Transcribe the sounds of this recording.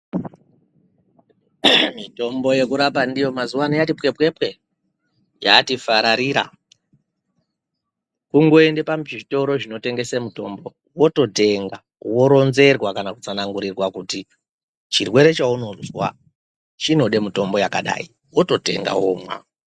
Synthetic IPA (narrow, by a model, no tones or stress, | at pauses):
mito̞mbo̞je̞kuɾap̬andijo̞mazuwanijatipwe̞pwe̞pwe̞ | jatifaɾaɾiɾa̰ | kuŋɡo̞e̞ndepamʐito̞ɾo̞ʐino̞te̞ŋɡe̞semuto̞mbo̞ | wo̞to̞te̞ŋɡa | wo̞ɾo̞nze̞rwakanakut͡sanaŋɡuɾirwakuti | t͡ʃirwe̞ɾe̞t͡ʃauno̞zwa̰ | t͡ʃino̞ɗe̞muto̞mbo̞jakaɗa̰i | wo̞to̞te̞̰ŋɡa̰womwa̰